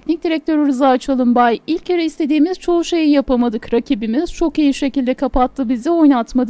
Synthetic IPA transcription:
nʲic̚d̪iɾɛc̚t̪ʰø̞ɾɯɾɯzat͡ʃʰalˠɯmbajilʲceɾɛist̪ʰe̞d̪iːmiz̥t͡ʃʰo̞uʃe̞jijapamad̪ɯkɾacʰibimiz̥t͡ʃʰo̞kijiʃe̞cilʲd̪ɛkʰapat̪lˠɯbizɛo̞jnat̪mad̪ɯ

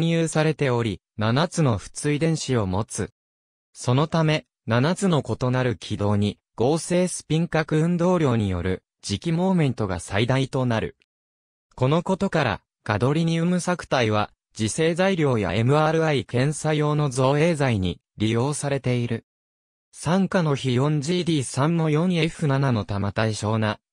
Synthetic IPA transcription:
ɲijɯːsaɾe̞t̪e̞o̞ɾʲi | nanat͡sɨno̞ɸɯ̥t͡sɨid̪ẽ̞ɰ̃ɕio̞mo̞t͡sɨ | so̞no̞t̪ame̞ | nanat͡sɨno̞ko̞t̪o̞naɾɯ̟kʲʰid̪o̞ːɲ̟i | ɡ̥o̞ːse̞ːsɨ̥pʲĩŋkakɯ̟ɯ̟̃nd̪o̞ːɾʲjo̞ːɲ̟ijo̞̰ɾɯ̟ | d͡ʑikʲimo̞ːmẽ̞nt̪o̞ɡa̰said̪ait̪o̞naɾɯ̟̰ | ko̞no̞ko̞t̪o̞kaɾa̰ | kad̪o̞ɾʲiɲ̟iɯ̟mɯ̟sakɯ̟̥t̪aiβ̞a̰ | d͡ʑise̞ːzaiɾʲo̞ːja̰ʔe̞mɯ̟aɾɯ̟aikẽ̞ɰ̃sajo̞ːno̞zo̞ːe̞ːzaiɲ̟ḭ | ɾʲijo̞ːsaɾe̞t̪e̞iɾɯ̟ | sãŋkano̞çijõ̞ɲ̟d͡ʑiːd̪ʲiːsãnːo̞jõ̞ɰ̃jeɸɯ̟nanano̞t̪amat̪aiɕo̞ːna

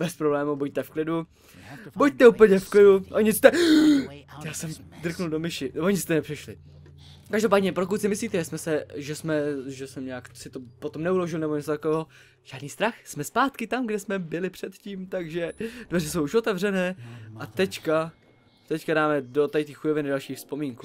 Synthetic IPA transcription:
bɛspɾoblɛːmubuc̚t̪ɛfklɪdu | buc̚t̪ɛupəɲɛfklɪduʔoɲɪst̪ɛ | jaːsɛmd̪r̩knuldo̞mɪʃɪvoɲɪst̪ɛnɛpr̥ɪʃlɪ̰ | kaʒdopaːdɲɛpɾokut̪sɪmɪsliːt̪ɛʒɛsmɛsɛʒɛsmɛʒɛsɛmɲaːksɪt̪opot̪omnɛulo̞ʒɪlnɛbo̞ɲɛt͡sot̪akovɛːɦo̞ | ʒ̥aːdniːst̪ɾaxsmɛspaːt̪kɪt̪amɡdɛsmɛbɪlɪpr̝̥ɛt̪ciːmt̪aɡʒɛdvɛrɛsowuʃʔo̞t̪ɛvrɛnɛːʔat̪ɛcka | t̪ɛckadaːmɛdo̞t̪ajt̪iːxujovɪnɪdalʃiːxfspomiːŋku

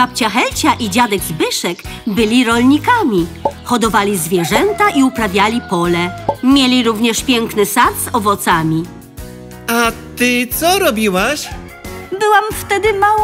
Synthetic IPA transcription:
ap̚t͡ɕaxɛlt͡ɕaʔid͡ʑad̪ɛɡzbɘʂɛkbɘlʲiɾɔlʲɲikamʲixɔd̪ɔvalʲizvʲjɛʐɛnt̪aʔiupɾavʲjalʲipɔlɛmʲjelʲiɾuvɲɛʂpʲjɛŋknɘsat̪z̥ɔvɔt̪samʲi | at̪ɘt̪sɔɾɔbʲiwaɕ | bɘwamft̪ɛd̪ɘmaw

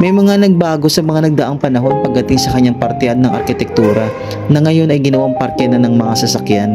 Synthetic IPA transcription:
mɐjmɐŋanɐɡ̚baːɡo̞sɐmɐŋanɐɡ̚d̪ɐʔaŋpɐnɐɦo̞npɐɡ̚d̪ɐt̪iŋsɐkɐɲːaŋpɐɾt̪ɛʔɐt̪nɐŋʔɐ̰ɾkɪt̪ɛk̚t̪uːɾɐ | nɐŋɐjo̞nɐjɡɪnɐwaŋpɐɾt̪ɛnɐnɐŋmɐŋasɐsɐkjan

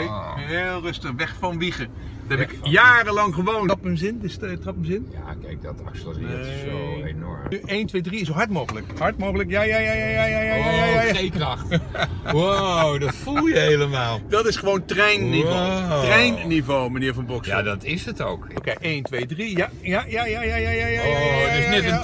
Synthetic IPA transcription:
ɦɪːlˠrɵstəχʋɛχfɑnʋiχə | dɛpɪkjaːrəlɑŋχəʋownɑpənzɪndɪsttrɑpənzɪnja̰kɛ̰jk̚dɑ̰tɑ̰kslə̰ | enɔ̰ɹnyʔejntʋejdriɪsoɦɑɹtmowχələkhɑɹt̚mowɣələkjaːjaːjajajajajajajajaejkrɑχtwawdɑtfulˠjəɦejləmaːlˠdɑtɪsχəʋowntrɛjnːivotrɛjnnivowmaniːɹvɑnbɔksja̰dɑtɪsəto̰wkokejʔejntʋejdrija | jajajajajajajadɪnɛtən

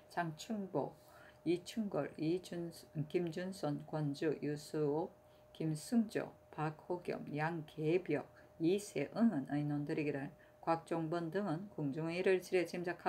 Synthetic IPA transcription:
t͡ɕaŋt͡ɕʰuŋbo̰ | it͡ɕʰuŋɡʌ̰ɾi | kimd͡ʑunsʰʌnkwʌnd͡ʑujusʰɯo | kimsʰuŋd͡ʑʌ̰ | pak̚hoɡjʌ̰mjaŋkʰebjʌk | isʰeʔɯŋɯnɯinwondɯɾiɡiɾɯɭ | kwak̚t͡ɕ͈oŋbʌndɯŋɯnkoŋd͡ʑuŋiɾɯɭt͡ɕiɾet͡ɕimd͡ʑakʰa

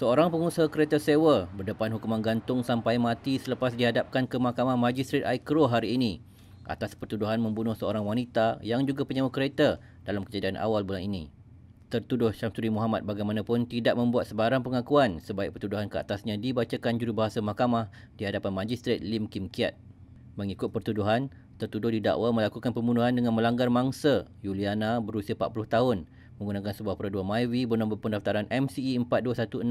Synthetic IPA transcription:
səoɾaŋpəŋusəɦakəɾet̪asewəbərdəpanɦukumanɡant̪ʊŋsampajmãt̪isələpasdiɦadap̚kankəmahkamahmãd͡ʒist̪ɾet̪̚ajkɾoɦaɾiːni | ʔa̰t̪aspərt̪uduɦanmə̃mbunʊhsəoɾaŋwanit̪ajaŋd͡ʒuɡapəɲawakəɾet̪ə | dalamkəd͡ʒadianʔa̰walbulaninḭ̃ | t̪ərt̪udʊhʃamsuɾimuɦamat̪̚baɡajmanãpʊnt̪idaʔ̚mə̃mbuat̪̚səbaɾaŋpəŋakuansəbaɪk̚pərt̪uduɦankəa̰t̪asɲãdibat͡ʃakand͡ʒuɾubaɦasamahkamah | diɦadapanmãd͡ʒist̪ɾet̪̚limkimkia̰t̪̚ | mə̃ŋikʊt̪̚pərt̪uduɦan | t̪ərt̪udʊhdida̰ʔwamə̃lakukanpəmbunuɦandəŋãnmə̃laŋɡarmaŋsajulianabəɾusiapat̪̚pulʊht̪aɦʊn | mə̃ŋɡunãkansəbuahpəɾaduanmajwibərnɔ̃mbəpəndaft̪aɾanʔɛmsiːəmpat̪̚duasat̪uən

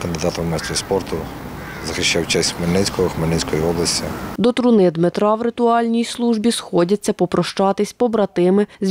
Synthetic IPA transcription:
kɐnd̪ɪd̪ɑt̪ɐmɛst̪ɾʲispɔrt̪ʊ | zɐxɪʃt͡ʃawt͡ʃɛsʲmenɪsʲkɔɔxmenɪnʲsʲkɔjiɔblˠɐsʲtʲid̪ɔt̪ɾʊnɪd̪mɪt̪ɾɑwɾɪt̪ʊɑlʲnʲijslˠuʒbʲisxɔdʲɐt͡sʲːɐpɔpɾɔʃt͡ʃɑt̪ɪsʲpɔbɾɐt̪ɪmɪzʲ

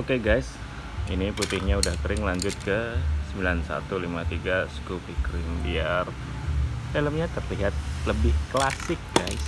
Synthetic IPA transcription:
okeɡajs | iniput̪ɪhɲaudahkəɾɪŋlaɲd͡ʒʊt̪̚kəsəmbilansa̰t̪ulimat̪iɡasə̥kupikəɾɪmbiar | eləmɲat̪ərliɦat̪̚ləbɪhklasɪk̚ɡ̥ajs

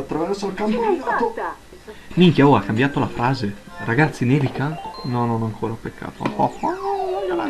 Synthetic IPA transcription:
at̪ːɾavɛɾsolkampoat̪o | miŋkaoakːambjaːt̪olafɾaːze | raɡat̪sːinevikanɔnonɔaŋkʰoːɾapekːa̰ːt̪oɔɔ

